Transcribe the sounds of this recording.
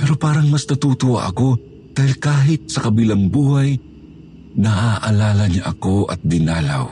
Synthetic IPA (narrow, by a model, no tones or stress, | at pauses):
pɛːɾo̞paːɾɐŋmɐst̪ɐt̪uːt̪ʊwʔa̰ʔɐko̞ | d̪̥aːhɪlkaːɦɪt̪̚sɐkɐbiːlɐŋbuːhaj | nɐʔaʔɐlaːlɐɲaʔɐko̞ʔɐ̰t̪̚d̪ɪnaːla̰w